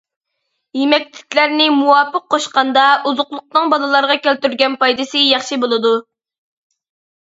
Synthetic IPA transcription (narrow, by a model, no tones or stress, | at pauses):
jemɛk̚ʲlɪ̥kʲlæɾnɪmuwɑːpːəqʰːoʃqɑnd̪ɑuzʊqlˠʊq̚nɨŋbɑlˠɨlˠɑɾʁɑkʲælt̪yɾɡʲɛnpɑjd̪ɨsɨjɑχʃibolˠɨd̪u